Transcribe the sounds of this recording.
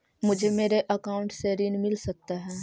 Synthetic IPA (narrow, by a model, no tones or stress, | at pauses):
mʊd͡ʒʱemeːɾeʔɐkaːʊ̃ɳʈseɾinmɪlsɐk̚t̪aɦɛː